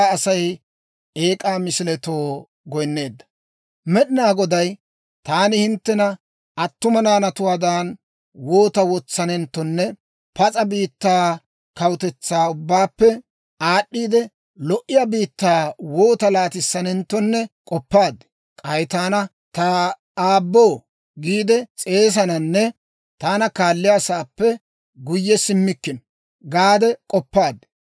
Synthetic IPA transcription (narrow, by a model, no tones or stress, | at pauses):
ɐsɐj | eːkʼaːmɪsɪlɛt̪o̞ː | ɡɔjnːe̞ːd̪ːɐ̥ | mɛɗɪnaːɡɔd̪ɐj | t̪aːnɪhɪnt̪ːɛnɐ | ɐt̪ːʊmɐnaːnɐt̪ʊwaːd̪aːn | woːt̪ɐwɔt͡sːɐnɛnt̪ːɔnːɛ | pɐt͡sʼɐbiːt̪ːaː | kɐwʊt̪ɛt͡sːaːʊbːaːpːɛ | aːɗːiːd̪ɛ | lɔʔɪjɐbiːt̪ːaːwoːt̪ɐlaːt̪ɪsːɐnɛnt̪ːɔnːɛkʼɔpːaːd̪ːɛ̥ | kʼɐjɪt̪aːnɐ | t̪ɐ | aːbːo̞ː | ɡiːd̪ɛt͡sʼe̞ːs̬ɐnɐnːɛ | t̪aːnɐkaːlːɪjasaːpːɛ | ɡʊjːɛsɪmːɪkːɪn | ɡaːd̪ɛkʼɔpːaːd̪